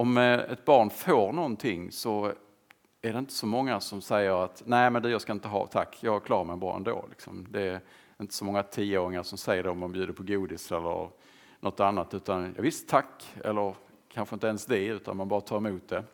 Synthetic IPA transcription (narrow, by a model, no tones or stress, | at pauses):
ɔmɛ̰t̪̚bɑːɳfoːɾɳɔnt̪ʰɪŋːsɔ | æɖɛɪnt̪ə̥sɔmɔŋːasɔmsɛjːəɾat̪næɪmɛnd̪ɛjɑːskaɪnt̪əɦɑ̰ːt̪ʰa̰kːjɑːkʰlɑːɾaɾmɛɪnbɑ̰ːɛ̰nd̪o̰ːlɪ̰ksɔ̰md̪ɛː | ɪnt̪ə̥sɔmɔŋːat̪ʰiːəoːɾɪŋaʂɔmsɛjːəɖɛɔmːanbjʉ̟ːd̪əɾpʰɔɡuːd̪ɪsɛlːə̰ɾ | nɔt̪ːanːat̪ʉ̟ːt̪anjɑ̰ɡvɪst̪ʰːakːɛ̰lːəɾ | kʰanɧəɪnt̪əɛnsd̪ɛʉ̟ːt̪anmanbɑːɾat̪ʰɑːɾɛmuːt̪̚d̪ɛ